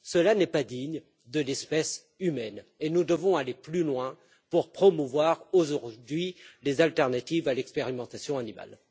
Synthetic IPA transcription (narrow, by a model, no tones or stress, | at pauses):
səlanɛpad̪iɲ | d̪əlɛspɛs | ymɛnenud̪əvɔ̃aleplylwɛ̃ | puʁpχɔmuvwaʁoʒuʁd̪ɥilezalt̪ɛʁnat̪ivalɛkspeʁimɑ̃t̪asjɔ̃anima̰l